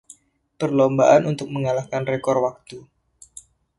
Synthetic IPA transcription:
pərlombaʔanunt̪ʊk̚məŋalahkanrekɔrwak̚t̪u

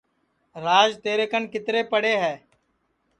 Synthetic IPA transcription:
ɾaːd͡ʒt̪eːɾeːkənkɪt̪ɾeːpəɽeːɦɛː

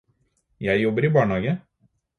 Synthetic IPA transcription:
jæɪjɔbəɾiːbɑːɳhɑːɡə

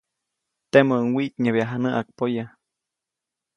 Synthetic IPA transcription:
t̪eməŋwit̪ɲeβjaɦanəʔak̚poja

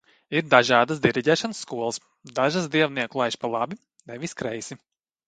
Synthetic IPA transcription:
iɾd̪aʒaːd̪asd̪iɾiɟʲɛːʃansːkuɔlˠəs | d̪aʒasd̪iɛvniɛklˠajʃpalˠabi | nɛʋiskɾɛjsi

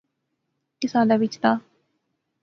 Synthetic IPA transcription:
kɪsaːd̪aːʋɪt͡ʃt̪aː

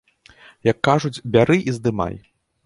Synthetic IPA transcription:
jɐkːaʐud͡zʲbʲaɾɨʔizd̪ɨma̰j

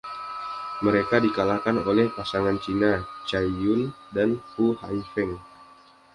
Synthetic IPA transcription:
məɾekadikalakanolɛhpasaŋant͡ʃinat͡ʃajʊndanpuhaifɛŋ

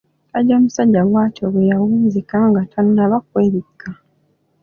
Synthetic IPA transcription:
aɟomusaɟːaɡwaːtoβwejawuːnzikaːŋɡatʰanunaβakweːβikːa

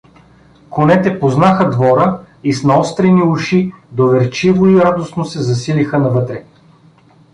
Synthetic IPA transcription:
konɛt̪ɛpoznaxəd̪vɔɾə | isnɐɔst̪ɾɛniuʃid̪ovɛɾt͡ʃivoiɾad̪osnosɛzɐsilixənɐvɤt̪ɾɛ

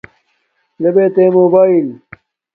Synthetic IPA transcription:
lebeːt̪emoːbaːil

